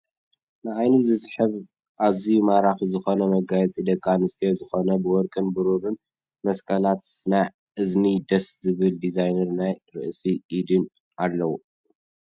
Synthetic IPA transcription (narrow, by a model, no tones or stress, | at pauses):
nɨʕajnizɨsħɨβ | ʔazimaɾaxizɨxo̞nɐmɐɡajɛt͡sʼid̪ɐkʼːanɨst̪ʰijozɨxo̞nɐbɨwɔɾkʼɨnbɨɾuɾɨn | mɐskʼɐlat̪na | ʔɨznid̪ɐszɨβɨld̪izajnɐɾnajɾɨ̰ʔsiʔid̪ɨn | ʔalːɐwu